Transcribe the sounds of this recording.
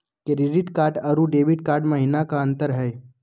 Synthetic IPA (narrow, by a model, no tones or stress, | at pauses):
keɾɪɖɪʈkaːɾɖɐɾuɖeːʋɪʈ̚kaːɾɖmɐɦinakaɐ̃nt̪əɾɦɛː